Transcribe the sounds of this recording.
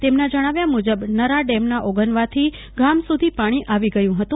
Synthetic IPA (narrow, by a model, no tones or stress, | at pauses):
t̪emnad͡ʒəɽ̃aʋjamud͡ʒəbnəɾaɖemnaʔoɡənʋat̪ʰi | ɡamsud̪ʱipaɽ̃iʔaʋiɡəjũɦət̪ũ